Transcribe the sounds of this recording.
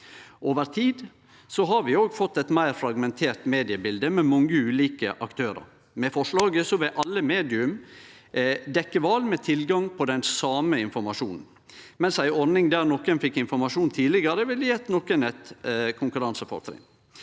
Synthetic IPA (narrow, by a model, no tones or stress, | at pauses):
ʔoːʋəɾt̪ʰiːd̪ | sɔɦɑɾʋɪoːɡfɔt̪ːɛt̪mæɪɾfɾɑɡmɛnt̪ʰeːɾt̪meːd̪ɪəbɪld̪əmɛmɔŋːəʉːliːkə̰ʔɑkt̪ʰøːɾə̰ɾ | mɛfɔʂɭɑːɡəsɔʋɪʔɑlːəmeːd̪ɪʉm | d̪ɛkːəʋɑːlmɛt̪ʰɪlɡɑŋpʰɔd̪ɛnsɑːməɪnfɔɾmɑʂuːnn̩ | mɛnsæɪɔɾnɪŋd̪æːɾnɔkːənfɪkːɪnfɔɾmɑʂuːnt̪ʰiːlɪɡəɾəʋɪljɛt̪nɔkːənɛt̪kʰʊŋkʉɾɑnsəfɔ̰ɾt̪ɾɪ̰ŋ